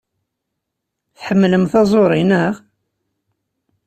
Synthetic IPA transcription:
θħəmːləmθɑzˤoɾˤinəʁ

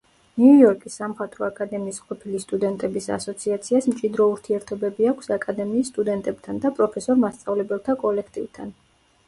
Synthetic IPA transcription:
niujɔɾkʼisːamχat̪ʼɾɔakʼad̪ɛmiːsqʼɔpʰilist̪ʼud̪ɛnt̪ʼɛbisa̰sɔt̪sʰiat̪sʰiasmt͡ʃʼid̪ɾɔuɾt̪ʰiɛɾt̪ʰɔbɛbiakʷʰsakʼad̪ɛmiːsːt̪ʼud̪ɛnt̪ʼɛb̥t̪ʰand̪apʼɾɔpʰɛsɔɾmast̪sʼavlɛbɛlˠt̪ʰakʼɔlɛkʰt̪ʼḭvt̪ʰa̰n

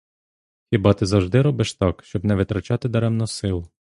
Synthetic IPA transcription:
xʲibɑt̪ɪzɐwʒd̪ɪɾɔbɪʃt̪ɑkʃt͡ʃɔbnɛʋɪt̪ɾɐt͡ʃɑt̪ɪd̪ɐɾɛmnʊsɪlˠʊ

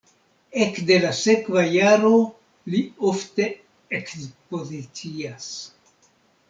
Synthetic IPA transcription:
e̞kde̞lase̞kvajaɾo̞ | liofte̞ | ekspo̞zit͡sias

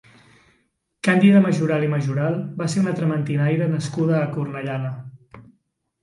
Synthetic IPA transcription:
kand̪iðəməʒuɾaliməʒuɾalˠbaseunət̪ɾəmənt̪inajɾənəskuðəːkurnəʎanə

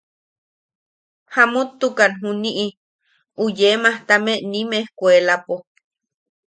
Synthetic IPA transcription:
hamut̪ːukanɦuniʔi | ujemaht̪ameʔnimehkʷuelapo

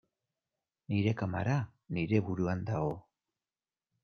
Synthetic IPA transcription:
niɾe̞kama̰ɾaniɾe̞βuɾuand̪aɣo

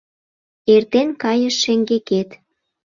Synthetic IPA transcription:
ert̪enkɑjəʃːeŋɡeket̪

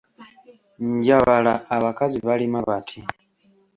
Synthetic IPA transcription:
ɲɟaβalaːβakaziβalimaβatʰi

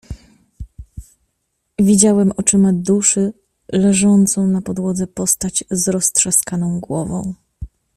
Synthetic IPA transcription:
vʲid͡ʑawɛmɔt͡ʂɘmad̪uʂɘ | lɛʐɔnt̪sɔ̃w̃napɔd̪wɔd̪zɛpɔst̪ad͡ʑzɾɔstʂɛskanɔ̃w̃ɡwɔvɔ̃w̃

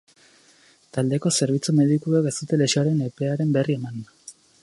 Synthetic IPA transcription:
t̪ald̪e̞ko̞se̞ɾβ̞it͡sume̞ðikuekest̪ut̪e̞le̞soaɾe̞ne̞pe̞aɾe̞mbe̞rie̞man

